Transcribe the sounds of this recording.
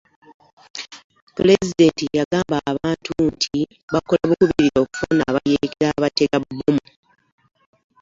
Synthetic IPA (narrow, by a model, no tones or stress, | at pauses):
pule̞zide̞ːntijaɡaːmbaβaːntuntʰi | βako̞laβukuβiɾiɾo̞ːku̥fonaːβajekeɾaβate̞ɡaβubumu